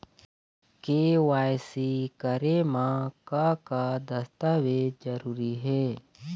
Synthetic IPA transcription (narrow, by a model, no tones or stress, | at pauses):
keːʋaːjsikəɾemãkakad̪əst̪aːwed͡ʒd͡ʒəɾuːɾiɦɛː